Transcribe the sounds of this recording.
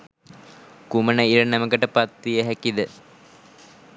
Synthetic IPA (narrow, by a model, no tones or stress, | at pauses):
kumənəiɾənæməkəʈəpat̪ʋijəɦækid̪ə